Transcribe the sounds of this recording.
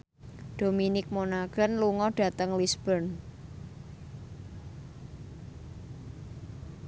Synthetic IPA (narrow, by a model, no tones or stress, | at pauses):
ɖ̥ominɪk̚monaɡ̥ə̤nluŋɔɖ̥ä̤t̪əŋlisb̥ərn